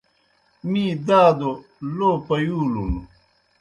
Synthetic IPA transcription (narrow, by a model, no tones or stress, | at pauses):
mĩːd̪aːd̪o | loːpɐjuːlulu